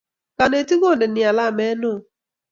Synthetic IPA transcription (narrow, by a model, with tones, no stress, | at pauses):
ka˨ne˨ti˦ɡo˦˨ne˨nja˨la˦˨mɛ˦nʊ˦˨